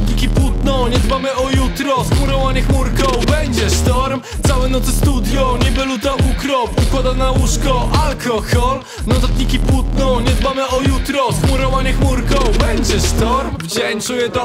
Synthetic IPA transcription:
ɲikʲipwut̪nɔɲɛd̪bamɘʔɔjut̪ɾɔsxmuɾɔvaɲɛxmuɾkɔbɛɲd͡ʑɛst̪ɔɾm | t̪sawɛnɔt̪sɘst̪ud̪jɔɲɛbɛlut̪aukɾɔpukwad̪anawuʂkɔʔalkɔxɔl | nɔt̪at̪ɲikʲipwut̪nɔɲɛd̪bamɘɔjut̪ɾɔsxmuɾɔvaɲɛxmuɾkɔbɛɲd͡ʑɛst̪ɔɾmvd͡ʑɛnt͡ʂujɛt̪ɔ

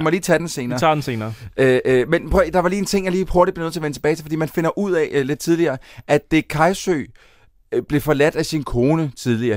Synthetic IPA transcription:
mɒliːt͡sʰæd̥ense̝ːnɐːɑ̰̈dnse̝ːnɐːømenpʰʁœid̥ɑ̈ʋɑ̈liːent͡sʰe̝ŋ̰jɑliːho̝ɐɾid̚b̥enøðˠt͡s̝ʰɐʋenət͡sʰe̥bɛːt͡sʰe̝fɒ̽dḭːmænfe̝nɐʔuð̞̰ˠɛle̝d̥̚t͡sʰið̞ˠliɐːʔæ̥d̥e̝kʰɑ̈ɪsø̰ | b̥le̝fɒ̽læd̥æsinkʰo̝ːnət͡sʰið̞ˠliɐː

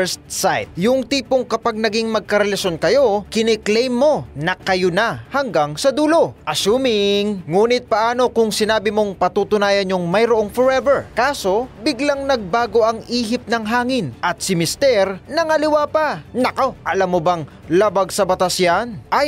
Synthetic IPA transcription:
ɛst̪sajt̪̚jʊŋt̪iːpoŋkɐpaɡ̚nɐɡiŋmɐɡ̚kɐɾɛlɐʃjo̞nkɐjo̞kɪnɛklɛjmːo̞nɐkɐjonɐhɐŋɡaŋsɐd̪uːlo̞ʔɐʃuːmɪŋːuːnɪt̪̚pɐʔaːno̞kʊŋsɪnaːbɪmo̞ŋpɐt̪ut̪ʊnaːjɐnːoŋmɐjɾoʔo̞ŋfoɹɛvɛɹkaːso̞bɪɡlaŋnɐɡ̚baːɡo̞ʔɐŋiːɦɪp̚nɐŋɦaːŋɪnʔɐt̪̚sɪmɪst̪ɛɾnɐŋɐlɪwaːpɐnɐkoʔɐlamːobɐŋ | labaɡsɐbɐt̪asjanʔɐj

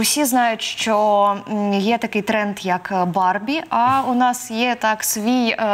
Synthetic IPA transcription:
wsʲiznajʊtʲʂt͡ʃɔ | jɛt̪ɐkɨjt̪ɾɛnt̪jɐkbarbʲiɐunasjɛt̪aksʋʲij

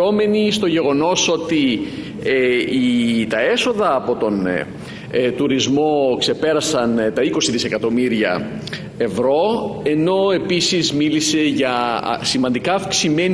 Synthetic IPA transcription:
o̞me̞nist̪o̞ʝe̞ɣo̞no̞so̞t̪i | eit̪ɐe̞so̞ðɐːpo̞t̪o̞n | t̪uɾizmo̞kse̞pe̞ɾɐsɐnt̪ɐiko̞siðise̞kɐt̪o̞miɾiɐ̰ | evɾo̞e̞no̞e̞pisizmilise̞ʝɐ̰simɐnd̪ikɐːfksime̞n

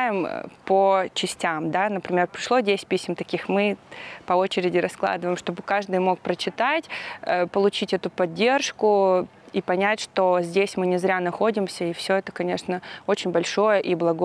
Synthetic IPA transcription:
jɪmpət͡ɕɪsʲtʲamd̪anəpɾʲɪmʲe̞rpɾʲɪʂlˠo̞dʲesʲɪ̥t̚ʲpʲisʲmt̪ɐkʲixmɨpɐo̞t͡ɕɪɾʲɪdʲɪɾɐsklˠa̰d̪ɨvəjmʂt̪o̞bɨkaʐd̪ɨjmo̞k̚pɾət͡ɕɪt̪atʲəpəlˠʊt͡ɕitʲɛt̪ʊpɐdʲːe̞rʂkʊ | ipɐnʲætʲʂt̪o̞zʲdʲesʲmɨnʲɪzɾʲanɐxo̞dʲɪmsʲəifsʲo̞ɛt̪ə̥kɐnʲeʂnəo̞t͡ɕɪnʲbɐlʲʂo̞jəʔiblˠɐɡo

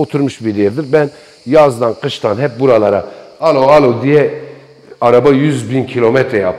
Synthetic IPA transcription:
ot̪ʰuɾmuʃbiɾɛɾd̪iɾbɛn | jazd̪anqʰɯʃt̪ʰanɦɛp̚buɾalˠaɾaalˠoalˠod̪ijɛ | aɾabajyzbincʰilʲo̞mɛt̪ɾɛjap

